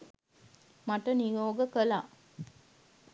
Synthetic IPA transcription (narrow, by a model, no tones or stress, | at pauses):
mɐʈːɐnijoːɡɐkɐlaː